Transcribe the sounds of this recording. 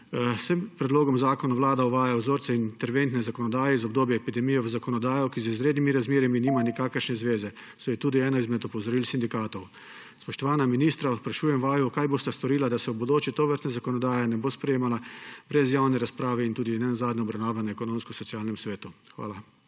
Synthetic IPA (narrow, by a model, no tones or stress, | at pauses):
səmpɾɛd̪loːɡɔmzaːkɔnaʋlaːd̪aɔʋaːjawzoːɾt̪sɛint̪ɛɾʋent̪nɛzakɔnɔd̪aːjɛizɔbd̪oːbjɛɛpid̪ɛmijɛʋəzakɔnɔd̪aːjɔkizəizɾeːd̪nimiɾazmeːɾiminiːmanikaːkəɾʃnɛzʋeːzɛ | sojɛt̪uːd̪iɛːnɔizmɛt̪ɔpɔzɔɾiːlsind̪ikaːt̪ɔw | spɔʃt̪ɔʋaːnaminiːst̪ɾaspɾaʃuːjɛmʋaːjukaːjboːst̪ast̪ɔɾiːlad̪asɛubɔd̪oːt͡ʃit̪oʋəɾt̪nɛzakɔnɔd̪aːjɛnɛboːspɾɛjeːmalabɾɛzjaːwnɛɾaspɾaːʋɛint̪uːd̪inɛnazaːd̪nɛɔbɾɐwnaːʋanɛɛkɔnoːmskɔsɔt̪sijaːlnɛmsʋeːt̪uxʋa̰ːla